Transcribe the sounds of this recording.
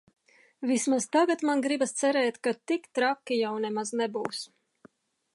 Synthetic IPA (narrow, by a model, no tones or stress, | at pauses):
vismazt̪aɡat̪manɡɾibast̪sɛɾɛːt̪kat̪ikt̪ɾakːijawnɛmaznɛbuːs